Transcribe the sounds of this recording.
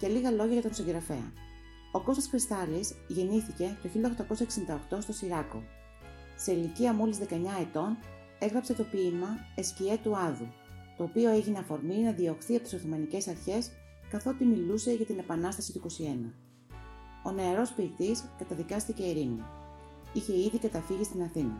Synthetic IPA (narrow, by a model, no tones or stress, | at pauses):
celiɣɐlo̞ʝɐʝɐt̪o̞siŋɡɾɐfe̞̰ɐ̰ | o̞ko̞st̪ɐskɾist̪ɐlisʝe̞niθice̞t̪oçilod̪oxt̪ɐko̞sɐeksind̪ɐo̞kt̪o̞st̪o̞siɾɐko̞̰ | se̞iliciɐmo̞lizðe̞kɐeɲɐe̞t̪o̞n | e̞ɣɾɐpse̞t̪o̞pimɐescie̞t̪uɐðu | t̪o̞ːpio̞e̞ʝineɐfo̞ɾminɐðio̞xθiɐpot̪i̥soθomɐnice̞sɐɾçe̞s | kɐθo̞t̪imiluse̞ʝɐt̪ine̞pɐnɐst̪ɐsit̪uiko̞sie̞nɐ | o̞ne̞ɾo̞spiːt̪iskɐt̪ɐðikɐst̪ice̞iɾinḭ | içe̞iðikɐt̪ɐfiʝist̪inɐθinɐ